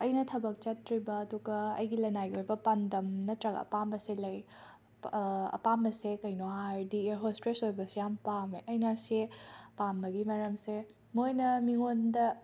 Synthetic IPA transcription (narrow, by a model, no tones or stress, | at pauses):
ɐjnɐtʰɐbɐk̚t͡ʃɐtʰɾibɐːduɡɐɐ̰jɡilɐnajojbɐpandɐmnɐtɾɐɡɐ̰pambɐselɐj | ɐ̰pamɐsekɐjnoɦaɾdieɾɦostɾesojbɐsijampameʔɐjnasepamɐɡimɐɾɐmse | mojnɐmiŋondɐ